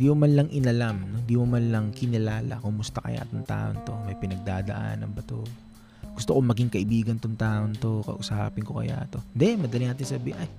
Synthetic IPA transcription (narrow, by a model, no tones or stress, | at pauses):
d̪iːmʊmanlɐŋʔɪnɐlamno̞nd̪iːmʊmanlɐŋkɪnɪlaːlɐ̰kʊmʊst̪ɐkɐ̰ja̰ʔɐt̪oŋt̪a̰ːʔo̰nt̪o̞mɐjpɪnɐɡ̚d̪aːd̪ɐʔa̰nːɐŋbɐt̪o | ɡ̥ʊst̪okomɐɡiŋkɐʔɪbiːɡɐnt̪oŋt̪aːʔont̪o̞kɐ̰ʔʊsaːpɪŋko̞kɐ̰ja̰ʔɐt̪o̞nd̪ɛmɐd̪ɐliŋaːt̪̬ɪnsɐbiːʔɐj